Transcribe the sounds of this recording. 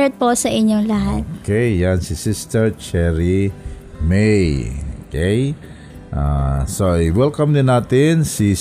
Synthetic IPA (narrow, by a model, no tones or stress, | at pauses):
ɛt̪̚posɐʔɪɲoŋlɐɦat̪̚okejjansisɪst̪ɛɹt͡ʃɛɹi | mejokej | ʔa̰soiwɛlkamd̪ɪnat̪ɪnsi